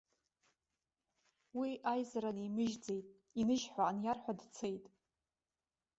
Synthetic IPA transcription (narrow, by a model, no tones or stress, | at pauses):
wiʔajzaɾanimɨʒd͡ze̞jtʼ | inɨʒħʷaanjarħʷadt͡sʰejtʼ